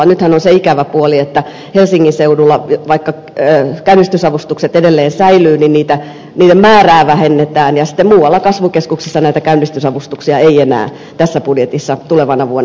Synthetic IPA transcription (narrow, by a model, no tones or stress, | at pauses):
ɑnyt̪hænonseikæʋæpuoliet̪ːæ | helsiŋːinseudulːɑʋɑikːɑ | øːkæynːist̪ysɑʋust̪ukset̪edelːeːnsæilyːninniːt̪æ | niːɾemmæːræːʋæhenːet̪æːnjɑsi̥t̪ːemuːwɑlːɑkɑsʋukeskuksisːɑnæit̪ækæynːist̪ysɑʋust̪uksiɑeienæ̰ː | t̪æsːæpudjet̪isːɑt̪uleʋɑnɑʋuonː